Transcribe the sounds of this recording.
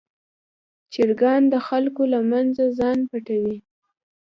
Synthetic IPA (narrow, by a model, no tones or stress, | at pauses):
t͡ʃɪɾɡɑnd̪əxalkolamanzazɑnpaʈawi